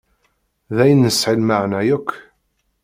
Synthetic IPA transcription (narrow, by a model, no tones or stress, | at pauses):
ðæjənːəsħilmaʕnæjækʷː